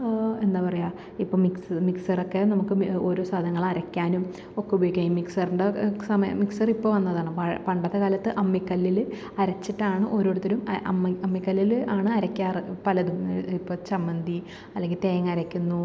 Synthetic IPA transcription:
e̞nd̪aːpɐrɐjaː | ipːoːmiksmiksɐrokːe̞nɐmukːɨo̞ːɾo̞ːsɐd̪ʱɐnɐŋːɐɭɐɾɐkʲːaːnum | o̞kːɐboːjukʲːajimiksɐrɨɳɖɐsɐmɐjɐ̰miksɐripːoʋɐnːɐðaːɳɨmpɐpɐɳɖɐt̪ːɐkaːlɐt̪ːɨʔɐmːikːɐlːil | ɐɾɐt͡ɕːiʈːaːɳɨʔo̞ɾo̞ːɽut̪ːɐɾumʔɐ̰mːɐmːikːɐlːilaːɳɨɐɾɐkʲːaːrɨpɐlɐðumipːoːt͡ɕɐmbɐnd̪ʱi | ɐlːeŋɡilt̪eːjɐŋːɐɾɐkʲːunːu

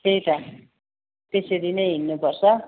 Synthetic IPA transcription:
et̪ʌ | p̪eselinʌjɦinːupʌrt͡sʰʌ

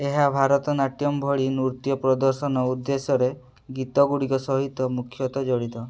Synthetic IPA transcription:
eɦabʱaɾɔt̪ɔnaʈjɔmbʱɔɭinuɾt̪jɔpɾɔd̪ɔɾsɔnɔud̪ːesɔɾe | ɡit̪ɔɡuɽikɔsɔɦit̪ɔmukʰjɔt̪ɔd͡ʒɔɽit̪ɔ

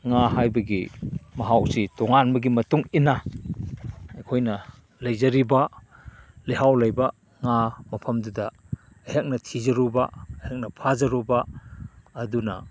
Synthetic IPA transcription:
ŋaɦajbɐɡimɐɦawsitoŋanbɐɡimɐtuŋina | ɐjkʰojnɐ | lɐjzɐɾiba | liɦawlɐjba | ŋamɐpʰɐmdudɐː | jɦak̚nɐtʰizɐɾubaːjak̚nɐpʰazɐɾubaː | dunɐ̰

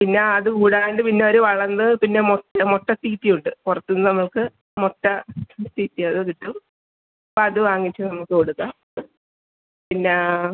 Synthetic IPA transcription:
pinːe̞ɐðɨkuːɽaːjeɳɖɨpinːe̞o̞ɾuʋɐɭɐnːɨpinːe̞moʈːɐmoʈːɐt̪iːt̪ːijuɳɖɨkurɐt̪ːunːɨnɐmːɐɭkɨ | moʈːɐst̪iːt̪ːijɐðɨk̪iʈːum | ɐpoɐðɨʋaːŋːit͡ɕːɨnɐmːɐɭkːɨkoɽuɣːɐ | pinːe̞

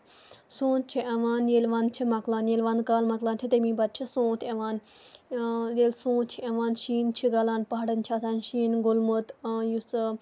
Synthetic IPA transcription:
sõːt̪t͡ʃʰiʔɐʋaːnjelʋãːnt͡ʃʰimɐklaːnjeːlʋaːnkaːlmɐklaːnt͡ʃʰit̪emĩːbɐt̪̚t͡ʃʰisõːt̪ʰɐʋaːn | jelsõːt̪t͡ʃʰiɐʋaːnʃiːnt͡ʃʰiɡɐlãːnpɐɦɐɽɐnt͡ʃʰat̪ʰaːnʃiːnɡʊlmut̪jus

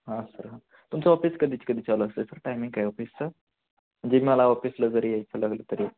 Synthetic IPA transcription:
ɦãsəɾɦã | t̪umt͡səʋɔfiskəd̪ʱiːt͡ɕkəd̪ʱiːt͡saləəsəsəɾʈajmiŋɡ̚kajʋɔfist͡səɾ | məɳd͡ʑebiməlaʋɔfisləd͡zəɾjajt͡sʰəlaɡlət̪əɾi

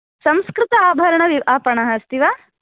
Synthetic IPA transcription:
sɐ̃mskɾɪt̪ɐaːbʱɐɾɐɳɐʋiaːpɐɳɐɦɐːst̪iʋaː

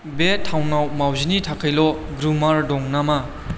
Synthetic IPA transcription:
betʰawnawmawzinitʰakʰɯjlɔ | ɡɾumaɾdɔŋnama

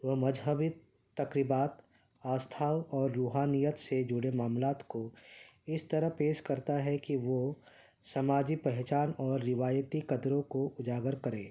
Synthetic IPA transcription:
ʋɐmɐd͡ʒɦəbɪt̪ː | ɐkɾɪbaːt̪ | aːst̪ʰaːwɔːɾːuːɦaːnijət̪sed͡ʒʊɽemaːmlaːt̪koɪst̪ɐɾəɦpeːʃkɐɾt̪aɦɛkiʋo | sɐmaːd͡ʒipɛɦt͡ʃaːnɔːɾːɪʋaːjət̪ikɐd̪ɾõkoʔʊd͡ʒaːɡəɾkɐɾẽː

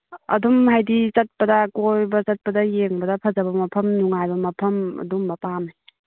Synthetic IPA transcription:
ɐ̰dumhajdit͡ʃɐt̚pɐdɐkojbɐt͡ʃɐt̚pɐdɐjeŋbɐdɐpʰɐzabɐmɐpʰɐmnuŋajbɐmɐpʰɐmɐ̰dumbɐpamaj

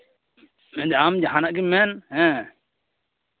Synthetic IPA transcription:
mɛ̃d̪amd͡ʒaɦãnaʔɡimɛnhɛ̃

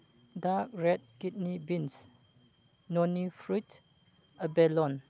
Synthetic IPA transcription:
dak̚ɹɛd̚kit̚nibins | nɔnifɹut | əbɛlɔn

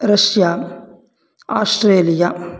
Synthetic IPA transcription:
ɾɐʃjaː | a̰ːsʈɾeːlija

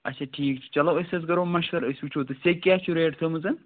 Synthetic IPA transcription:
ɐt͡ʃʰaʈʰiːk̚t͡ʃʰi̥t͡ʃɐlɐɐsɐs̬ɡɐɾoːmɐʃʋɐɾəsʲut͡ʃʰoːt̪ɨsʲekːjaːt͡ʃʰuɾeːɖt̪ʰɨmɨzɐn

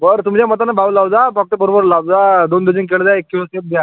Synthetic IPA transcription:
bəɾt̪umd͡ʑjamət̪anabʱawlawd͡zafak̚ʈ̪əbəɾobəɾlawd͡zad̪ond̪ed͡ʑink̬eɭd͡zaekːiləsep̚d̪ja

